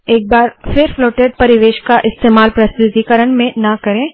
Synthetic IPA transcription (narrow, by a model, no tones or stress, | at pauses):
eːk̚baːɾfɪɾfloːʈeːɖ̚pɐɾɪʋeːʃkaʔɪst̪eːmaːlpɾɐsɾɪd̪ikəɾəɳmẽnɐkɐɾẽː